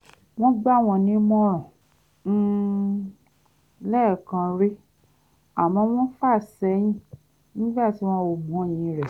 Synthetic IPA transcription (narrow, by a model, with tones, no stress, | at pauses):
w̃ɔ̃˦ɡ͡ba˦˨w̃ɔ̃˧nĩ˨˦mɔ̃˦ɾ̃ɔ̃˨˦ | lɛ˦˨kã˧ɾe˦ | a˨mɔ̃˧˦w̃ɔ̃˦fa˦˨sɛ˨˦j̃ĩ˦ | nĩ˦ɡ͡ba˦˨ti˨˦w̃ɔ̃˦wo˧˨ɡ͡bũ˨˦˨j̃ĩ˧ɾɛ˨